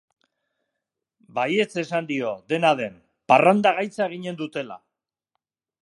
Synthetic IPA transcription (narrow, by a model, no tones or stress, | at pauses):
baje̞t͡se̞sand̪io̞ðe̞naðe̞n | parand̪aɣajt͡saeɣ̞iɲe̞nd̪ut̪e̞la̰